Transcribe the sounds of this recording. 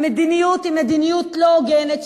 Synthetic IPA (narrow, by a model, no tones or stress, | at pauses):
med̪inijut̪imed̪inijut̪loɡɛnet̪ʃ